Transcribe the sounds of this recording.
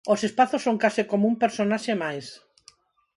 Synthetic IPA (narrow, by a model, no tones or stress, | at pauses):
osespaθosːõŋkasɪkomoumpeɾsonaʃemajs